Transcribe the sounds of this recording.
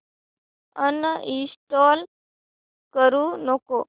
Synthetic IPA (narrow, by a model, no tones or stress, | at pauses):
ənːəʔist̪ol | kəɾuːnoko